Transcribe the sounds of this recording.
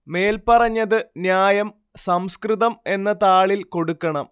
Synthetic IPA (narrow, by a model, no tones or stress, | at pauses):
me̞ːlpɐrɐɲːɐðɨnjaːjɐm | sɐmskrɨðɐme̞nːɐt̪aːɭilko̞ɽukːɐɳɐm